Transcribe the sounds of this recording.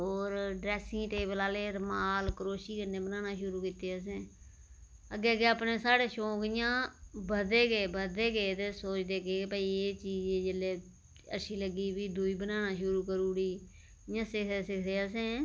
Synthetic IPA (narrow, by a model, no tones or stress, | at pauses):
ɦoːɾɖɾɛːsɪ̃ːʈeːbəlaːleːɾmaːlkəɾoːʃiːkənːeːbənaːnaːʃʊɾuːkɪt̪eːəs̬ẽː | əɡeːkeːəpneːsaːɽeːʃoːkɪjãːbəd̪eːɡeːbəd̪eːɡeːt̪esoːt͡ʃd̪eːɡeːpəiːeːt͡ʃiːd͡ʒeːd͡ʒəleː | ə̰ʃʰiːləɡiːbiːd̪uiːbənaːnaːʃʊɾuːkəɾuːɽiː | ɪjãːsɪk̪ʰeːsɪkʰd̪eːəs̬ẽː